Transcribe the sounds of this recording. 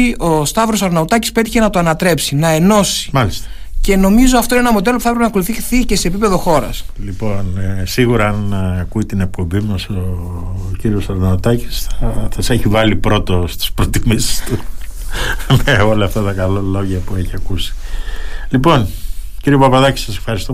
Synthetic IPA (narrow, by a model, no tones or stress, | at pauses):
ʔo̞st̪ɐvɾo̞sɐɾnɐut̪ɐci̥spe̞t̪içe̞nɐt̪oɐnɐt̪ɾe̞psinɐe̞no̞si̥mɐlist̪ɐ | ce̞no̞mizo̞ɐft̪oinenɐmod̪e̞lopuθɐepɾepenɐko̞luθiθice̞se̞ːp̬ipeðo̞xo̞ɾɐ̰slipo̞nsiɣuɾɐɐnːkuit̪inek̚po̞mbimɐso | ciɾio̞sɐɾnɐut̪ɐci̥sθɐsɐseçivɐlipɾo̞t̪ost̪i̥spɾot̪imisi̥st̪u | meo̞lɐft̪ɐt̪ɐkɐlolo̞ʝɐpueçiɐkusi̥ | lipo̞nciɾiopɐpɐðɐci̥sɐsefxɐɾist̪o